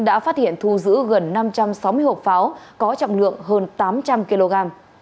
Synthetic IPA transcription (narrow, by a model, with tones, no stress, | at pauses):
ŋɗa̰ː˧˥faː˦˥t̚hi˧˨ənt̪ʰu˧zɨ̰˧˥ɣə˨˩nːa˧mt͡ɕa˧msa˨˦wmɨ˧əjho˨˩t̚faː˨˦wkɔ˨˦t͡ɕɔ̰˧˨wŋ͡mlɨ̰˧˨əŋɦəː˧nt̪aː˨˦mt͡ɕa˧mki˧lo˧ɣaː˧m